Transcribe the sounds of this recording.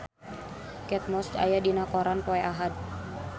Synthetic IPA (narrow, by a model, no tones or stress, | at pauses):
kɛt̪̚mɔst͡ʃa̰jadinakɔɾanpɔɛʔaɦad̪̚